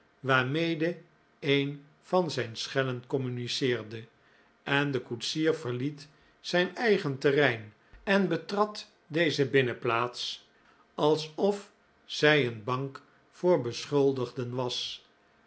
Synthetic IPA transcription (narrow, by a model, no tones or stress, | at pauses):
ʋaːɹmejdə | ejn | vɑnzɛjnsχɛlənkɔmynisɪːɹdə | ɛndəkutsiːɹvəɹlit | sɛjnɛjχəntərɛjn | ɛnbətrɑt | dejzəbɪnəplaːts | ɑlˠsɔf | sɛjənbɑŋk | fʊːɹbəsχɵlˠdəχdənʋɑs